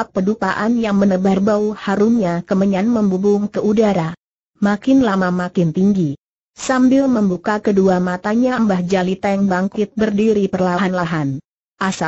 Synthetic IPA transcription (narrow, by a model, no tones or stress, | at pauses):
pːədupaʔanjaŋmənəbarbauhaɾumɲakəməɲanməmbubʊŋkəʔudaɾa | makɪnlamamakɪnt̪iŋɡi | sambɪlməmbukakəduamat̪aɲaəmbahd͡ʒalit̪aŋbaŋkɪt̪̚bərdiɾipərlaɦanlaɦan | ʔasa